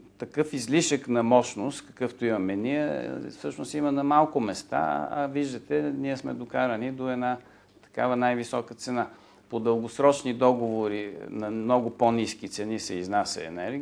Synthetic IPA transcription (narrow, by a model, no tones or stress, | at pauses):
t̪ɐkɤfizliʃəknɐmɔʃnost̪kɐ̥kɤft̪oimɐmɛniɛ̰fsɤʃnʊsimɐnɐmalˠkʊmɛst̪a̰ɐ̰viʒd̪ɐt̪ɛniɛsmɛd̪okaɾɐnid̪oɛd̪na | t̪ɐ̥kavɐnajvisɔkət̪sɛna | pod̪əlˠɡʊsɾɔt͡ʃnid̪ɔɡovoɾinɐmnɔɡʊponiskit̪sɛnisɛiznasʲɐ̰ɛ̰nɛɾɡ